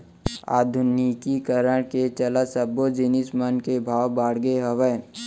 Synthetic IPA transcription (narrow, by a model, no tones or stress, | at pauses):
a̰ːd̪ʱʊnikikəɾəɽ̃ket͡ʃəlasəbod͡ʒɪnɪsmənkebʱaːwbaːɽɡeɦəʋə